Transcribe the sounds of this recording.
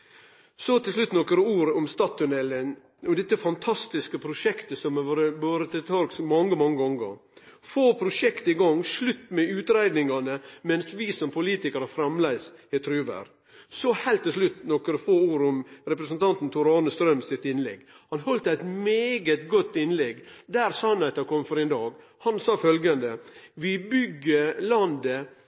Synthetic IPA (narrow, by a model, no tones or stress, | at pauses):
sɔt̪ɪlslʉt̪ːnɔkəɾəuːɾɔmst̪ɑːt̪ʰːʊnɛlːən | ɔd̪ɛt̪ːəfɑnt̪ʰɑst̪ɪskəpʰɾʊʂɛkt̪əsɔmʋɑːɾəboːɾət̪ʰɪt̪ʰɑɾksmɑŋːəmɑŋːəɡɔŋɡə̰ɾfoːpʰɾʊʂɛkt̪əɪɡɑŋslʉt̪ːmɛʉːt̪ɾæɪd̪nɪŋɑnəmɛnsʋisɔmpʰʊliːt̪ɪkəɾəfɾɑmlæɪsɪt̪ʰɾʉːʋæ̰ɾ | sɔhɛɪlt̪ːɪs̬ʂlʉt̪nɔkəɾəfoːuːɾʊmɾɛpɾəsənt̪ʰɑnt̪n̩t̪ʰʊɾɑːnəst̪ɾœmsɪt̪ɪnlɛ̰ɡ | hɑnhɔlt̪əæɪt̪meːɡət̪ɡɔt̪ːɪnlɛɡd̪æːɾsɑnæɪt̪əkʰɔmːfɔɾɪnd̪ɑːɡ | hɑnsɑːfœlɡənd̪əʋɪbʏɡːəlɑnd̪ə